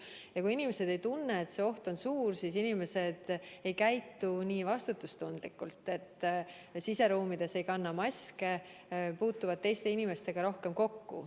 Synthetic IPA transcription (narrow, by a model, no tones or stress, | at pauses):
jɑkuinime̞se̞d̪̥e̞jt̪unːeːt̪se̞o̞ht̪o̞nsuːrsiːsinime̞se̞d̪̥e̞jkæjt̪ːuniːvɑst̪ut̪ːˑust̪und̪̥likːˑult̪ːˑe̞t̪ːˑ | sise̞ɾuːmid̪̥e̞se̞jkɑnːɑmɑsʲke̞ | puːt̪ːuvɑd̪̚t̪e̞jst̪e̞inime̞st̪e̞ɡ̥ɑɾo̞hke̞mko̞kːṵ